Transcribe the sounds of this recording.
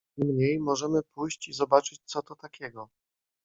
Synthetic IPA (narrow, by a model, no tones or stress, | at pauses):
mɲejmɔʐɛmɘpujɕt͡ɕizɔbat͡ʂɘt͡ɕt̪sɔt̪ɔt̪akʲʰɛɡɔ